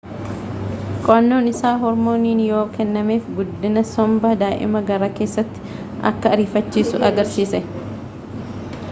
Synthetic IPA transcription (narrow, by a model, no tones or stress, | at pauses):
kʼɔʔɐnːo̞ːnɪsaːɦɔɾmo̞ːniːnjo̞ːkɛnːɐmeːfɡʊd̪ːɪnɐsɔmbɐd̪aːʔɪ̰mɐɡɐɾaːke̞ːsːɐt̪ːɪ̥ | ʔɐ̰kːɐɐɾiːfɐt͡ʃːiːsʊʔɐɡɐɾsiːsɛ